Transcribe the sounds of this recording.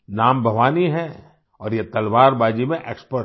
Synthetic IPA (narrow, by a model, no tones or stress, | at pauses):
naːmbʱɐʋaːniɦɛ | ɔːɾjet̪ɐlʋaːɾbaːd͡ʒimẽʔeːkspə